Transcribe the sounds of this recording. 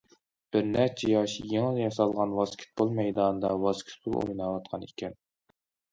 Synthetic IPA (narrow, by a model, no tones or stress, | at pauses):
b̥ɪɾnæɾt͡ʃʰɛjɑʃijeŋəljɑsɑlˠʁɑnwɑskʲʰi̥t̪̚bolˠmɛjd̪ɑːnd̪ɑwɑskʲʰi̥t̪̚bṵlˠo̰jnɑːwɑt̪qʰɑnekʲʰɛn